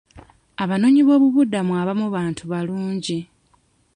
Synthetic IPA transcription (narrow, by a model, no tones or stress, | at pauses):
aβano̞ɲiβo̞ːβuβudamuaβamuβaːntʰuβaluːɲɟi